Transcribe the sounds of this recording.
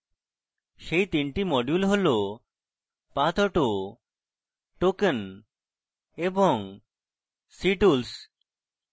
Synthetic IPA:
ʃejt̪inʈimɔɖjulɦolo | pat̪ɔʈo | ʈoken | eboŋ | siʈuls

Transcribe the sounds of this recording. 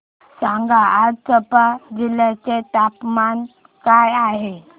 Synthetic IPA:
sãŋɡaʔaɾt͡səpad͡ʑilat͡seʈapman | kajaɦe

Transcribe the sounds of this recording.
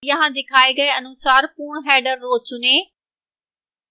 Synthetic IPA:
jɐɦãd̪ɪkʰaːeɡɐeɐnʊsaːɾpuːɽ̃ɦɛːɖəɾːoːt͡ɕʊnẽː

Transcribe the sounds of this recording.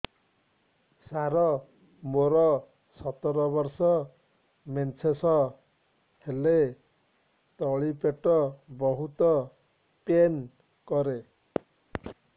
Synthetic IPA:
saɾɔ | moɾɔ | sʌt̪ːɔɾɔbʌɾsɔ | ment͡sʰesʌ | kʰele | t̪ɔɭipeʈːɔbɔɦut̪ɔ | pen | kɔɾe

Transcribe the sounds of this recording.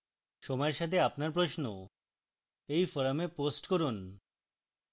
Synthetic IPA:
ʃɔmɔeɾʃat̪ʰeapnaɾp̬ɾoʃno | ejfɔɾameposʈkoɾun

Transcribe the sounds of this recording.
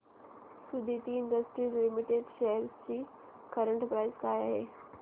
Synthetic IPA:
sud̪ʱit̪iɪɳɖəsʈɾiːzlimiʈeɖʃeɦəɾst͡ɕiː | kəɾəɳʈpɾaɪzkajaɦḛ

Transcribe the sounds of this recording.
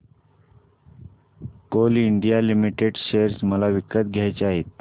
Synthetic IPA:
koliɳɖijalimiʈeɖɕeəɾsməlaʋikət̪̚ɡʱjajt͡saɦet̪̚

